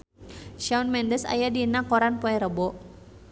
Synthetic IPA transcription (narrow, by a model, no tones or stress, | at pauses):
ʃaunmɛndəsa̰jadinakɔɾanpɔɛɾəbɔ